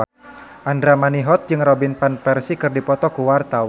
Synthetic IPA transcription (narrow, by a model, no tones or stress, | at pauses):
ʔandɾamaniɦɔt̪̚d͡ʒɨŋrɔbinpanpɛrsikɨrdipɔt̪ɔkuwart̪aw